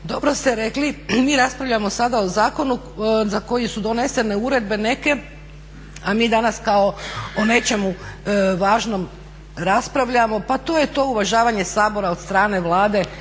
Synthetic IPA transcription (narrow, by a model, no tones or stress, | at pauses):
d̪o̞bɾo̞st̪e̞ɾe̞klimiːɾaspɾaʋʎʲamosad̪ao̞zaːko̞nu | zako̞jisud̪o̞ne̞se̞ne̞uɾe̞d̪̚be̞ne̞ke̞ | amiːd̪anaskao̞one̞t͡ʃe̞muʋaːʒno̞m | ɾaspɾaʋʎamo̞pat̪o̞ːjet̪o̞ːuʋaʒaːʋaɲe̞saːbo̞ɾaod̪st̪ɾaːne̞ʋlˠaːd̪e̞